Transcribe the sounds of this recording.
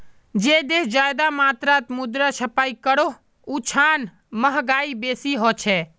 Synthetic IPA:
d͡ʒed̪eɦd͡ʒajd̪amat̪ɾat̪mud̪ɾəsʰəpaikəɽo | ut͡ʃʰan | məɦɡaibesiɦot͡ʃʰɛ

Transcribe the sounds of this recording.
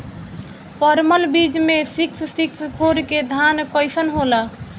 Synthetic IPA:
pəɾməlbid͡ʒmesiksʰsiksʰkʰoɾked̪ʱankəɪsənɦola

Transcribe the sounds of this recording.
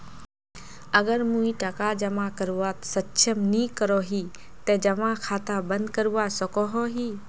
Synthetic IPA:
ɐɡəɾmũĩʈɐkad͡ʒɐmãkəɾuʋaːt̪sɐtːʃʰəmnĩːkəɾoːɦiː | t̪ed͡ʒɐmãkʰaːt̪abə̃nd̪kəɾuʋasɐkoɦoːɦiː

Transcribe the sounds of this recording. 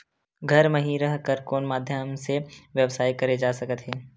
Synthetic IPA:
ɡʱɐɾmɐɦiɾəɦkəɾkoːnmaːd̪ʱjəmseʋjəʋsaːikɐɾed͡ʒaːsɐkət̪ɦeː

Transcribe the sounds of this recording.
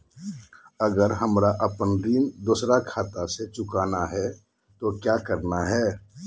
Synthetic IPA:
əɡəɾɦəmɾaʔəpənɾiːnd̪oːsɾakʰaːt̪aset͡ʃʊkaːnaɦɛ | t̪okjaːkəɾnaɦɛː

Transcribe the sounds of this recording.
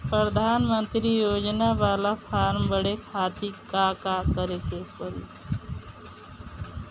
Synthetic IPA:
pɾəd̪ʱaːnmə̃nt̪ɾijoːd͡ʒnaʋaːlapʰaːɾmbəɽekʰaːt̪ikakakəɾekepəl

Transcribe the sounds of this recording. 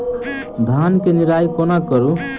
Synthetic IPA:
d̪ʱankeniɾajkonakəɾu

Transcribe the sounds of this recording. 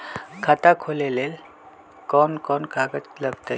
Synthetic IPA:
kʰat̪akʰolelel | kɔːnkɔnkʰaɡət͡ʃləɡt̪a

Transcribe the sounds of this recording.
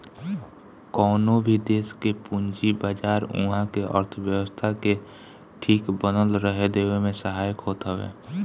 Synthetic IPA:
kɔːnobʱid̪eːskepʊ̃ɲd͡ʒibaːd͡ʒaːɾṵ̃ɦãkeʔə̰ɾt̪ʰəʋjəwəst̪ʰake | ʈʰiːkbənəlɾəɦed̪eːwemẽsəɦaːjəkɦoːt̪ɦəʋḛː

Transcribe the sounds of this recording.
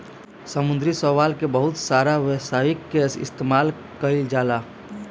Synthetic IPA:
səmʊ̃nd̪ɾisəʋaːlkebəɦʊt̪saːɾaʋesajikːesɪ̰st̪emaːl | kəild͡ʒaːla

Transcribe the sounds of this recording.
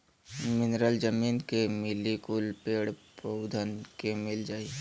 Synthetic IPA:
mɪnɾəld͡ʒəmiːnkemɪlikʊlpeːɽpod̪ʱənkemɪld͡ʒaːi

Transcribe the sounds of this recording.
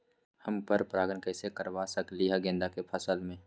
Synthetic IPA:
həmpəɾpɾaːɡənkɛːsekəɾʋasəkliɦɛɡẽːnd̪akepʰəsəlmẽː

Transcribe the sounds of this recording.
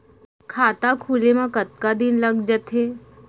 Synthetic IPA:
kʰaːt̪akʰuːlemãkɐt̪̚kad̪ɪnlɐɡd͡ʒət̪ɦeː

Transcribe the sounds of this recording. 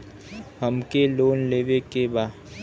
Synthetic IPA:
ɦəmkeloːnleːʋekebaː

